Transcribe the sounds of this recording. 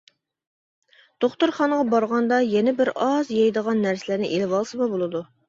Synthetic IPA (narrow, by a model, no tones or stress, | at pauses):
d̪̥oχt̪uɾχɑnʁɑbɑɾʁɑnd̪ɑjɛnɛbɪɾɑzjɑjd̪əʁɑnːæɾsɪlæɾnɪʔelɪvɑlˠsɨmɑbolˠɨd̪u